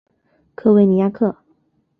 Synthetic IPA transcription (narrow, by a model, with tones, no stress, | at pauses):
kʰɤ˥˧we˥˩ɪni˧˥ja˥˧kʰɤ˥˩